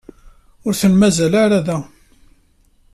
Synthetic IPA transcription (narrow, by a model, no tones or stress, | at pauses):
ʊɾθənmæzælaɾæðæ